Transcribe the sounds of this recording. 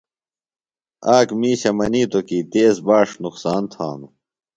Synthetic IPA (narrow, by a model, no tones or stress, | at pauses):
aːkmiːɕɐmɐniːt̪okiːt̪eːsbaːʂnuqsaːnt̪ʰa̰ːnu